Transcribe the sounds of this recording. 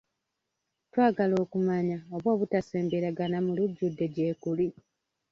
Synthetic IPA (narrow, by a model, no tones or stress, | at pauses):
twaːɡalo̞ːkumaɲao̞βwo̞ːβutase̞ːmbeɾaɡanamuluɟːudːe̞ɾɟeːkuli